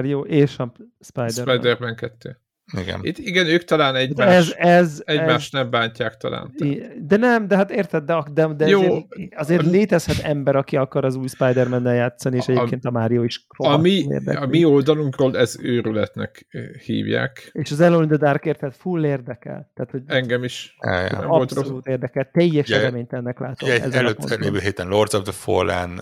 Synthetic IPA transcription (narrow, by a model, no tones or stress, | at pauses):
ɾijoːʔeːʃɒ | spajd̪ɛɾrpajd̪ɛrbɛŋkɛt̪ːøː | iɡ̰it̪iɡɛnøːkt̪ɒlaːnɛɟaɛzɛzɛɟmaːʃt̪nɛmbaːɲcaːkt̪ɒ̰la̰ːnt̪ːd̪ɛnɛmd̪ɛɦat̪eːrt̪ɛd̪̚d̪ɛɒd̪ɛd̪ɛjozeːɾɒzeːrleːt̪ɛshɛt̪ɛmbɛɾɒkiɒkɒɾɒzuːjspajd̪ɛrmɛnːɛljaːt̪sːɒnieːʃɛɟekeːnt̪ɒmaːɾijoːiʃromiḛːrd̪ɛ̰ɒmiold̪ɒluŋkrolɛzøːɾylɛt̪nɛkhḭːvja̰ːkeːʃɒzɛlolind̪ɒd̪arkeːrt̪hɛt̪fulːeːrd̪ɛkɛ̰lt̪aːt̪ho̞ɟɛŋɡɛmiʃɛ̰j̰ɒolst̪soluːt̪eːrd̪ɛkɛlt̪ɛjɛʃɛɾɛmeːɲt̪ɛnːɛklaːt̪oɛɛ̰zɛløːt̪lḛːvøːɦeːt̪ɛnlord̪zɒvd̪ɛfo̰lɛ̰n